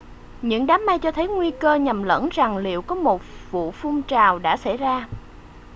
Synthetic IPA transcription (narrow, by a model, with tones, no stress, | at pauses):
ɲɨ̰˧˥ŋɗaː˨˦mːa˧jt͡ɕɔ˧t̪ʰə˨˦jŋwi˧kəː˧ɲə˨˩mlə̰˧˥nza˨˩ŋlḭ˧˨əwkɔ˨˦mo˨˩t̚vṵ˧˨fʊ˧ŋ͡mt͡ɕaː˨˩wɗa̰ː˧˥sa̰˧˩jzaː˧